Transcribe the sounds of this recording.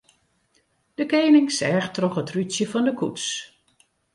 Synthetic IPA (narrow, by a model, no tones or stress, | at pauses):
d̥əkeːnɪŋsɛːxtroxətrysjəfɔndəkʰuts